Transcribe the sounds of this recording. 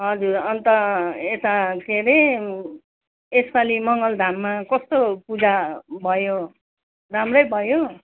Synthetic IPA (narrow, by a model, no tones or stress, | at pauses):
ɦʌd͡zurʌnt̪ʌet̪akʰeɾʌ | espalimʌŋɡʌld̪ʱamːakʌst̪opud͡zabʱʌjo | ramrʌjbʱʌjo